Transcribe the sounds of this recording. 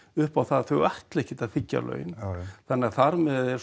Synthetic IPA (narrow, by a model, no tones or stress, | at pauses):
ʏhpawθaðθœɣaht̪lɛhcɪt̪afɪcːa̰lʔœ̰ːɥjɪnθanːɛɣaθaɾmɛðɛɾ̥